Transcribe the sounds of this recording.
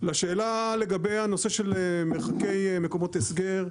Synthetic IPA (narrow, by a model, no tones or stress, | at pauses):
laʃeːlale̞ɡabejhano̞se̞ʃe̞lmeʁχake̞jme̞ko̞mo̞tesɡeʁ